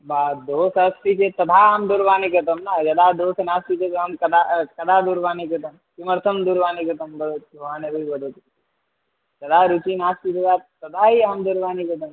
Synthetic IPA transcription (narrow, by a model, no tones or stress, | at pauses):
baːd̪oːsɐsʈ̪it͡ʃet̪ɐd̪ʰʱaːɦəmd̪uɾʋaːnikɐt̪ɐmnad͡ʒɐd̪aːd̪oːsnaːsʈ̪it͡ʃet̪ɦɐmkɐd̪akɐd̪ʱaːd̪uɾʋaːnikɐt̪ɐmkimɐɾt̪ʰɐmd̪uɾʋaːnikɐt̪ɐmbɐd̪ot̪ʋaːnebibɐd̪ot̪k̪ | d͡ʒɐd̪aːɾut͡ʃinaːsʈ̪it̪ɐd̪at̪ɐd̪ʰʱaːɦiamd̪uɾʋaːnikɐt̪ɐm